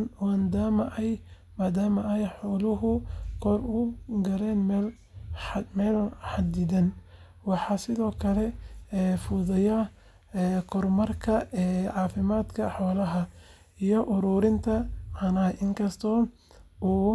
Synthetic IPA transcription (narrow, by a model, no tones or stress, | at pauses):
nwaːnd̪aːmɐʔɛj | maːd̪aːmɐɛjħɔːlʊɦʊkʰɔrʊɡɐɾɛːnmɛːl | mɛːlħɑd̪ɪðɐn | wɑħɑsɪðɔːkʰɐlɛɛːfʊðɐjɐː | kʰɔrmɐrkʰɐɛːʕɑːfɪmaːd̪kʰɐħɔːlɐɦɐ | ijɔʔʊɾuːɾɪnt̪ʰɐʕɑnɐːɪŋkʰɐst̪ʰɔː | uː